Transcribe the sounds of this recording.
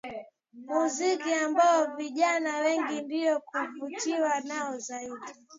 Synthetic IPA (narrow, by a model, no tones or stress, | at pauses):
muzikiambaɔviʄanawɛŋɡindijɔkuvutiwanaɔzaiɗi